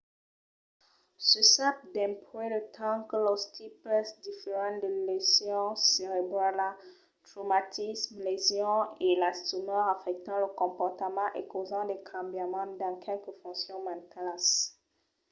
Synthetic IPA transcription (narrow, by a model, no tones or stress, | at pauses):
səsap̚d̪ɛ̃pɔelət̪ʰɑ̃kəlɔst̪ʰipɛsd̪ifeʁɑ̃d̪əlezjɔ̃seʁebʁala | t̪ʁomat̪ʰismlezjɔ̃elasonɔʁafɛk̚t̪ɑ̃ləkɔ̃pɔʁt̪əmɑ̃ʔekozɑ̃d̪ekʰɑ̃bjamɑ̃d̪ɑ̃kʰɛlkəfɔ̃sjɔ̃mãnt̪alas